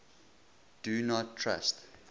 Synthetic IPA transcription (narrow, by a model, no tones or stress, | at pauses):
d̥unɔtʰːɹa̰st